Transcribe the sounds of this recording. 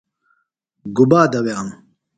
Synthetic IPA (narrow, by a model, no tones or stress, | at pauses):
ɡubaːd̪ɐwjaːm